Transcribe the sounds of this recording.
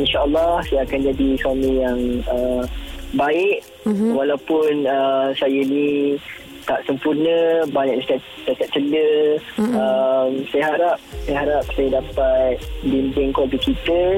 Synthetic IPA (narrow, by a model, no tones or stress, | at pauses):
inʃaʔəlːɑhsajaːkand͡ʒadiswamijaŋə | baɪʔ | walawpʊnəsajənĩ | t̪aʔsəmpurnə̃baɲaʔataʔ | t͡ʃakaʔ̚t͡ʃələ | əmsajaɦaɾap̚sajaɦaɾap̚sajadapat̪̚bindɪŋkɔbikit̪ə